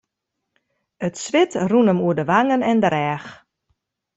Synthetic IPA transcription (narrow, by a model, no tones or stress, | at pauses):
ətsʋɪtrunəmuədəʋaŋənɛndəɾɛːx